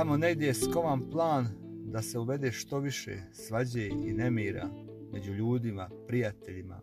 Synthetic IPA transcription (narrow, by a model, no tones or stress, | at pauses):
amo̞ne̞ɡd̪jeesko̞ʋamplˠaːn | d̪ase̞uʋe̞d̪eːʃt̪o̞ʋiʃḛsʋad͡ʑeine̞miːɾa̰ | mʔe̞d͡ʑuʎuːd̪imapɾijat̪e̞ʎima̰